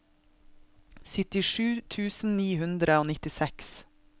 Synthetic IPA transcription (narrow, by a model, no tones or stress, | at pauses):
sʏt̪ɪʃʉːt̪ʰʉːsn̩niːhʉnd̪ɾəoːnɪt̪ɪsɛks